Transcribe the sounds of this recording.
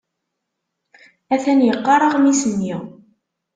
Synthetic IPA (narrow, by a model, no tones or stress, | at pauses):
æθænjəqːɑɾˤɑʁmisənːiʁ